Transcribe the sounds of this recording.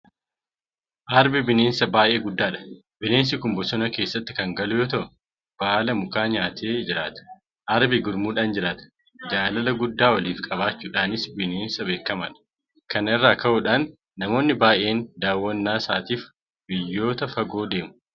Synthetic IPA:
ʔɐɾbɪbɪneːnsɐbaːʔe̞ːɡʊd̪ːaːᶑɐ̥ | bɪne̞ːns̬ɪkʊmbɔsɔnɐke̞ːsːɐt̪ːɪ̥kɐŋɡɐlʊjoːt̪ɐʔʊ | b̥aːlɐmʊkaːɲaːt̪ʰe̞ːd͡ʒɪɾaːt̪ɐ̥ | ʔɐɾbɪɡʊɾmuːᶑaːnd͡ʒɪɾaːt̪ɐ̥ | d͡ʒaːlɐlɐɡʊd̪ːaːwɐliːfkʼɐbaːt͡ʃːuːᶑaːnɪsbɪneːnsɐbeːkːɐmɐᶑɐ̥ | kɐnɪrːaːkɐʔʊᶑaːnː | ɐmo̞ːnːɪbaːjʔe̞ːnd̪aːwːɐnːaːsaːt̪iːf | bɪjːo̞ːt̪ɐfɐɡo̞ːd̪e̞ːmʊ

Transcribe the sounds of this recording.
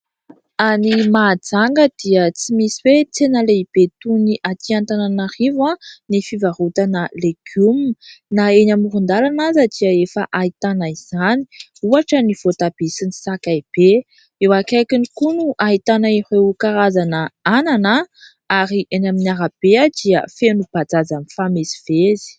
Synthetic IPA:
animad͡zaŋɡəd̪̥iət͡simisiwet͡senəleib̥et̪uniʔat̪iant̪ananaɾivãnifivaɾut̪anəleɡ̥umnaenamuɾund̪alanazəd̪̥iəefəʔait̪anaiz̥aniuaʈ͡ʂəniv̥ot̪ab̥isinisakaib̥e | ewakajkinikunuʔait̪anaihewkaɾazanəananə | aɾiʔenaminiaɾab̥ead̪̥iə̰fenub̥ad͡zazanifamesi̥v̥ezi̥

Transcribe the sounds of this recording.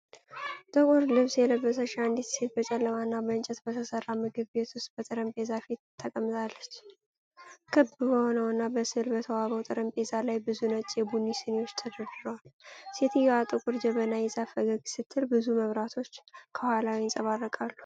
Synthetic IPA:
t̪ʼəkʼuɾlɨβsjɛləbːəs̬əʃaɨnd̪it̪se̞t̪̚bət͡ʃʼɛlːəmanːabəɨnt͡ʃʼɛt̪bət̪ʰəsərːamɨɡɨβbe̞t̪ʰwʊst̪̚ʼbət̪ʼɨɾəmpʼezafit̪t̪ʰːəkʼəmt̪ʼalːət͡ʃː | kʰɨbɨbəhonəwɨnːabəsɨlbət̪ʰəwaβəwt̪ʼɨɾəmpʼezalajbɨzunət͡ʃʼjɛbunːisɨnewo̞t͡ʃːt̪ʰɨd̪ərɨɾəwalse̞t̪ʰɨjːɛwat̪ʼɨkʼʊɾd͡ʒɛβənajɛsafəɡəɡsɨt̪ʰːɨlbɨzuməβɾat̪ʰo̞t͡ʃːkʰəhʷalawiɪnsʼəβarːəkʼalːu

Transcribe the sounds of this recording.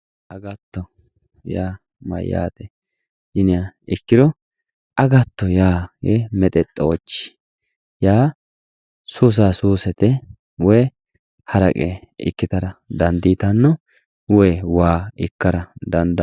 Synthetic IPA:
ʔɐɡɐt̪ːɔ | jaː | mɐ̰ja̰ːt̪ɛ | ɪnɪɐɪkːɪd̪ɔ | ʔɐɡɐt̪ːɔjaːjemɛt̪ʼɛt̪ʼːoːt͡ʃːɪ̥ | jaː | suːs̬aːsuːsɛt̪ɛ | wɔj | hɐɾɐkʼeɪ̰kːɪt̪ɐɾɐd̪ɐnd̪iːt̪ɐnːɔ | wɔjwaːɪkːɐɾɐd̪ɐnd̪ɐ

